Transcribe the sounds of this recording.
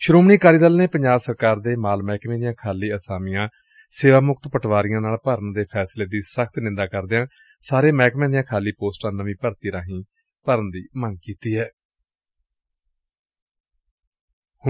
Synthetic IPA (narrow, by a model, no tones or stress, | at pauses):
ʃʊɾoːmniːkaːɾiːd̪əlneːpəɲd͡ʒaːbsəɾkaːɾd̪eːmaːlmɛːkmẽːd̪ɪjãːkʰaːliːəsaːmɪjãː | seːʋaːmʊkt̪pəʈʰʋaːɾɪjãːnaːlpəɾənd̪eːpʰɛːsleːd̪iːsəkʰt̪nɪ̃nd̪aːkəɾd̪ejãː | saːɾeːmɛːkmẽːd̪ɪjãːkʰaːliːpoːsʈãːnəʋĩːpəɾt̪iːɾãːɦĩː | pəɾənd̪iːməŋɡkiːt̪iːɦɛː | h